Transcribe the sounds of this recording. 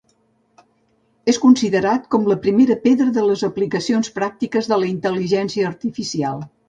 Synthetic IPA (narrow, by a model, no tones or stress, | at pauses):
eskunsiðəɾat̪kɔmləpɾimeɾəpeðɾəðələzəplikəsionspɾak̚t̪ikəzðələint̪əliʒɛnsiəːɾt̪ifisialˠ